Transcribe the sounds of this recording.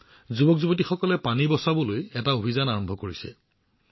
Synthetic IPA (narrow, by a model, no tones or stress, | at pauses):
zubɔkzubɔt̬ixɔkɔlɛpanibɔsabɔlojɛtaobʱizanaɹɔmbʱɔkoɹisɛ̰